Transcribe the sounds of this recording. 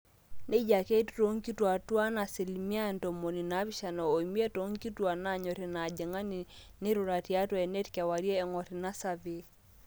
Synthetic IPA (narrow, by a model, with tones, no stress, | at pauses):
ne˦d͡ʒa˨ke˦tto˦ŋki˦twa˨twa˦na˨si˨lmi˦a˦˨nto˨mo˨ni˨na˨˦βi˦ʃa˨nɔ˨o˨i˨mi˦e˦to˦ŋki˦twa˨na˦˨ɲo˨ɾe˨na˨d͡ʒe˨ŋa˦ni˨ | nɪ˦ɾu˨ɾa˨ti˨a˦twɛ˨ne˦tkɛ˨wa˨ɾjɛː˦˨ŋɔ˨ɾi˨na˦sa˨be˨